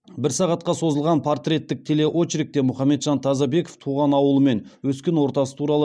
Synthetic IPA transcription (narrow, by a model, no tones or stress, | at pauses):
bɪɾsɑʁɑt̪qɑso̞zəlˠʁɑnpʰort̪ɾʲe̞t̪ːɪk̚t̪ʰe̞le̞ʔot͡ʃɾɪk̚t̪e̞mʊχɑmːe̞t̪ʒ̥ɑnt̪ʰɑzɑbe̞koft̪ʰuʁɑnɑwəlˠəme̞nwɵskʲe̞nwo̞ɾt̪ɑsə̥t̪ʰuɾɑlˠə